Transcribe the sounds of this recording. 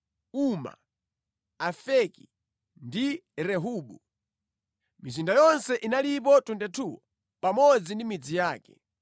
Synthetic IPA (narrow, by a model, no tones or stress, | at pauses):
uma̰ | afɛki | ndiɾɛɦuːɓu | mizindajɔnsɛʔinalip̬ɔtundɛtʰuwɔ | pamɔd͡zindimid͡zijaːkɛ̥̰